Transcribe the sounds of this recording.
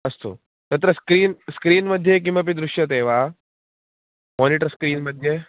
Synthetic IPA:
ɐst̪o̰ː | t̪ɐt̪ɾɐskɾiːnskɾiːnmɐd̪ʱjek̬imɐp̬id̪ɾʊʃjɐt̪eːʋaː | moːniʈəɾskɾiːnmɐd̪ʱje

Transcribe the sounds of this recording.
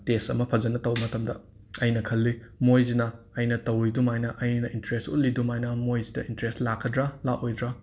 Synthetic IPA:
tesɐ̰mɐpʰɐzɐnːɐtɐwɐmɐtɐmdɐ | ɐjnɐkʰɐlːimojzinɐː | jnɐtɐwɾidumajnɐʔɐjnɐintɐɾestṵl̚idumajnɐmojzidɐintɾestlakʰːɐdɾɐlaʔojdɾɐ

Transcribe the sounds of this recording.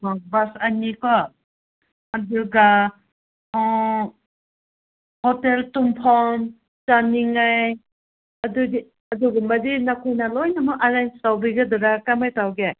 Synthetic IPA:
ɔbasanikʰɔ | aduɡa | hɔteltumpʰɔn | t͡ʃaniŋaj | ɐdudi | ɐduɡunmadinakʰojnalɔjnamɯʔaɾajnstawbiɡadɔɾakamajtawɡe

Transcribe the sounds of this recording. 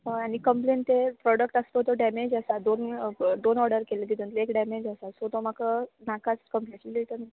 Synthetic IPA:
añikəmplent̪epɾɔɽəkʈəst̪ət̪ɔɖɛmed͡ʑəsad̪ond̪onɔɾɖəɾkeled̪id̪unt̪eekɖɛmed͡ʑəsasot̪om̤akənakat͡skəmpljat͡ɕiliɭt̪əmi

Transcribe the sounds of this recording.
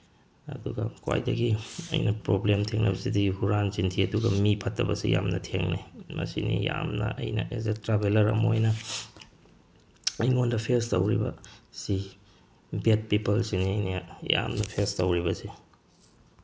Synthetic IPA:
ɐduɡɐkwa̰jdɐɡiɐ̰jnɐpɾoblemtʰeŋnɐbɐsidiɡihuɾanzintʰiɐduɡɐmipʰɐtːɐbɐsḭjamnɐtʰeŋnimɐ̰sinijamnɐʔɐjnɐʔezetɾabelɐɾɐ̰mojnɐ | iŋondɐpʰestɐwɾibɐ̰si | bet̚pipɐlsiniɐjnija̰mnɐpʰestɐwɾibɐsi

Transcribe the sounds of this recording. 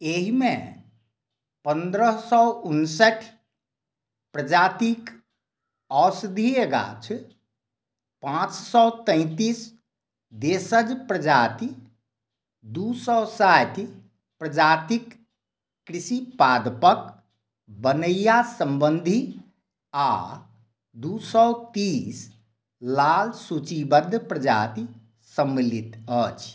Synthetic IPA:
eɦimẽ | pənd̪ɾəsɔunsəʈʰ | pɾəd͡ʒat̪ik | ɔsd̪ʱieɡa̰t͡ʃʰ | pãt͡ʃsɔʊt̪ə̃ɪ̃t̪is | d̪esəd͡ʒpɾəd͡ʒat̪i | d̪usɔsat̪i | pɾəd͡ʒat̪ikː | ɾisipad̪pək | bənəjasəmbənd̪ʱi | a | d̪usɔwt̪is | lalsut͡ʃibəd̪ʱpɾəd͡ʒa̰t̪i | səmːilit̪ət͡ʃʰ

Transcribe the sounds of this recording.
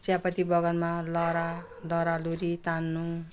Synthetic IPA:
sjapʌt̪ibʌɡʌnmalʌɾa | dʌɾaluɾit̪anːu

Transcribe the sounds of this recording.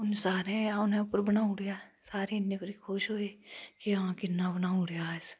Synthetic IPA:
ʊnsaːɾẽaʊnẽʊpːəɾbənaːũɽijasaːɾenːepəɾikʰoːʃɦoːekiãkɪnːabənaːũɽejaɛs

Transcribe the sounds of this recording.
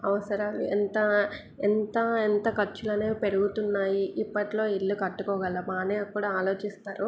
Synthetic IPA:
ɐʋɐsɐɾɐmḛnt̪ɐ | ent̪ɐent̪ɐkɐɾt͡ʃːulɐneːpe̞ɾuɡut̪unːaːjiʔipːɐʈilo̞ːilːukɐʈːukɔːɡɐlːɐmaːneːɐkːuːɽaaːlo̞ːt͡ʃist̪aːɾu

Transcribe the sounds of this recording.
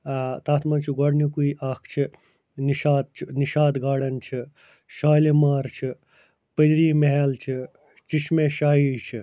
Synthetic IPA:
t̪aːt̪ʰmɐnt͡ʃʰiɡɔɽnikuiʔaːkʰt͡ʃʰi | niʃaːd̪̚t͡ʃʰiniʃaːd̪ɡaːɽɐnt͡ʃʰi | ʃaːlimaːɾt͡ʃʰi | pɐd̪ɾiːmeɦɐlt͡ʃʰi | t͡ʃiʃmeʃaːɦit͡ʃʰi

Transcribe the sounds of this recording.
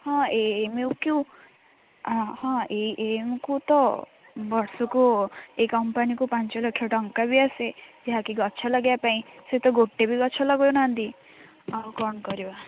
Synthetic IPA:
hɔ̃eemewki | hɔ̃eiʔemkut̪ɔ | bɔɾsɔkuekɔmpanikupant͡ʃɔlɔkʰːjɔʈɔŋkabiased͡ʒeɦakiɡɔt͡ʃʰɔlɔɡjapaĩset̪ɔɡoʈːebiɡɔt͡ʃʰɔlɔɡɔjonand̪i | awkɔnkɔɾiba

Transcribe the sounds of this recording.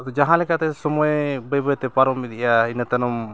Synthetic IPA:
ɔd͡ʒaɦãlɛkaʔt̪ɛsɔmɔɛbəjbəjt̪ɛpaɾɔmid̪iʔjainət̪ɛnɔm

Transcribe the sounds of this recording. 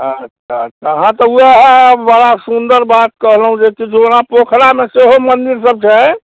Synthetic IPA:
ətːʃʰaətːʰɔɦãt̪ɔuaɦbəɽasund̪əɾbat̪̚kəɦləɦũd͡ʒekit͡ʃʰuonapokʰɾameseɦomənd̪iɾsəb̚t͡ʃʰɛ

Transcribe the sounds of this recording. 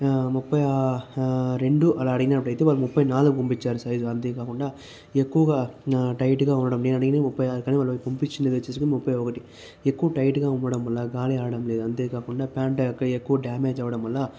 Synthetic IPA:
mupːɐja | ɾe̞ɳɖuʔɐlaːɐɽiɡinaːɐpːɐɽɐjt̪eːʋaːlːumupːɐjnaːluɡupompit͡ʃːaːɾusɐjd͡ʒuɐnt̪eːkaːkuɳɖaː | ekːuʋɐɡaːʈɐjʈɡaːunːɐɽɐmneːnɐɽɐɡinemupːɐjaːɾukaːniːʋaːlːɐɐpompit͡ʃːindɐʋeːt͡ʃesukonmupːɐjɔkɐʈi | ekːuʋɐʈɐjʈɡaːunʋɐɽɐmʋɐlːaɡaːliaːɐɽɐmle̞ːd̪uɐnt̪eːkaːkuɳɖaːpaːɳʈɐɐkːɐekːuʋɐɖaːmeːd͡ʒɐʋɐɽɐmʋɐlːa

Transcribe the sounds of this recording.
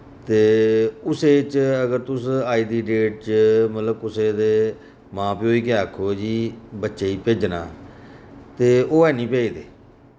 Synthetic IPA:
t̪eːʊseːt͡ʃəɡəɾt̪ʊsaːiːd̪iːɖeːʈ̚t͡ʃəmət̪ləb̚kʊseːd̪eː | mãːpiːoːiːk̬ɪaːkʰːoːd͡ʒiːbətːʃeːiːpeːd͡ʒna̰ː | t̪eːoːɛːnĩːpɛːiːd̪eː

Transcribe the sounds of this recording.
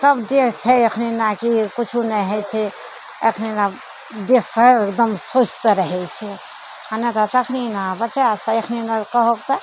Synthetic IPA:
t̪əbd̪ekʰt͡ʃʰɛəkʰninakikut͡ʃʰunɛɦɛt͡ʃʰɛ | ə̰kʰnina | d̪esəekd̪əmsot͡ʃʰt̪əɾəɦɛt͡ʃʰɛ | anat̪at̪əkʰninabət͡ʃasə̃ekʰninakəɦokt̪ə

